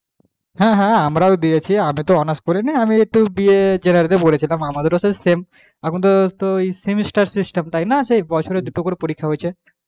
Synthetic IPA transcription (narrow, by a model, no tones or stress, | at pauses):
ɦɛ̃ɦɛ̃amɾaod̪iet͡ɕʰiamit̪oɔnaskoɾiniamiek̚ʈubied͡ʑenaɾit̪epolet͡ɕʰilamamad̪eɾosesem | akʰunt̪ot̪ojsemisʈaɾsisʈemt̪ajnaʃejbɔt͡ɕʰoɾed̪uʈokoɾepoɾikʰːaɦojt͡ɕʰe